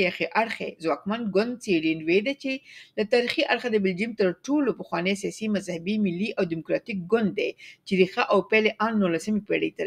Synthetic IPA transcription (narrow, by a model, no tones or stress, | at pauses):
jaxeʔaɽxḛzwɑkmanɡʊnd̪̚seɽinwed̪at͡ʃelat̪ɑɾixiʔaɽxad̪əbɪld͡ʒimt̪əɾʈolopəxwɑnejsijɑsimazhabimɪlːiʔawd̪ɪmʊkɾɑt̪ik̚ɡʊnd̪ːet͡ʃeɾixaʔawpeleʔɑnːulasəmepeɽəjt̪aɾ